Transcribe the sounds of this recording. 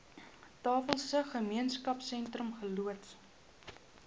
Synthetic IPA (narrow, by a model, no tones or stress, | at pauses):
tɑːfəlˠsəχəmiənskɐpsɛntrəmχəluət